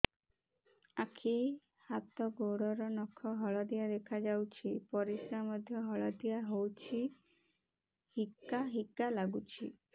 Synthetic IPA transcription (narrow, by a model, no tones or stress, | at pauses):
akʰi | hat̪ɔɡoɽɔɾɔnɔkʰɔɦɔɭɔd̪ijad̪ekʰad͡ʒawt͡ʃʰipɔɾisɾamɔd̪ʱjɔɦɔɭɔd̪ijaɦowt͡ʃʰi | hikːaɦikːalaɡut͡ʃʰi